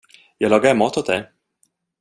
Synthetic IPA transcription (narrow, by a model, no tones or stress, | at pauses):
jɑːɡlɑːɡaɾɛmɑːt̪hʊt̪̚d̪ɛ